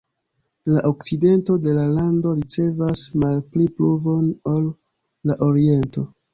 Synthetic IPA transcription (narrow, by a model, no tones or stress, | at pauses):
laʔo̞kt͡side̞nto̞de̞lalando̞ɾit͡se̞vasmalplipluvo̞nolː | aʔo̞ɾie̞nto̞